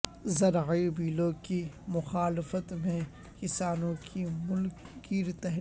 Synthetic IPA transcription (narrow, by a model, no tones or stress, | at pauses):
zɐɾʕibiːlõkimʊxaːlɪfət̪mẽ | kɪsaːnõkʰimʊlk | kiːɾt̪ɛɦ